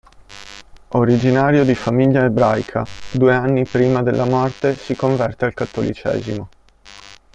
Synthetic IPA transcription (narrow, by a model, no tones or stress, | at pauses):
oɾid͡ʒinaːɾjod̪ifamiʎːaebɾajkʰa̰d̪uːeanːipɾiːmad̪elːamɔrt̪esikoɱvɛrt̪ealkat̪ːolḭt͡ʃɛ̰ːzimo